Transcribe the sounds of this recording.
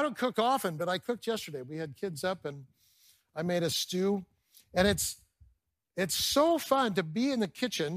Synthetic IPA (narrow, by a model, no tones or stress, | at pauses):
ɾõʊ̃nkʰʊkɔfɨ̃nbʌɾaɪkʰʊk̚t̚jɛstə˞ɾeɪwiɨd̚kʰɪdzʌpɨ̃n | aɪmeɪɾɨstʉ | ɨ̃ñɨts | ɪtsoʊfʌ̃ntɨbiɨ̃nðɨkʰɪt͡ʃɨ̃n